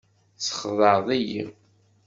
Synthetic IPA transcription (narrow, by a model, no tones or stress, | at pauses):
sə̥χðˤəɾðˤijḭ